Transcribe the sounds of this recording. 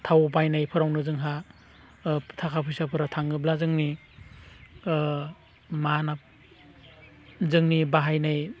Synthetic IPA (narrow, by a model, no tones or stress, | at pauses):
tʰawɔpajnajpʰɯɾawnɯzɯŋɦa | tʰakʰapʰɯjsapʰɯɾatʰaŋɯblazɯŋni | mana | zɯŋnibaɦajnaj